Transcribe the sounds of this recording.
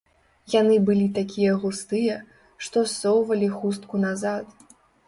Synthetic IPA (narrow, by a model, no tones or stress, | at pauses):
janɨbɨlʲit̪akʲijɐɣust̪ɨjɛ | ʂt̪ɔsɔwvɐlʲixust̪kunazat̪